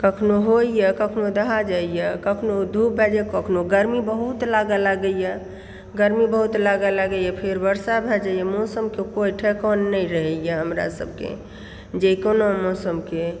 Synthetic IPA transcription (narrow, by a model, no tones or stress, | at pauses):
kəkʰnoɦoijəkəkʰnod̪əɦad͡ʒaijəkəkʰnod̪ʱupbʱɛd͡ʒɛkəkʰnoɡəɾmibəɦut̪laɡəlaɡəjə | ɡəɾmibəɦut̪laɡəlaɡəjəpʰeɾbəɾsabʱɛd͡ʒajəmɔsəmkekojʈʰɛkɔnːəiɾəɦɛjəɦəmɾa̰sə̰b̚ʱkḛ | d͡ʒejkonomɔsəmke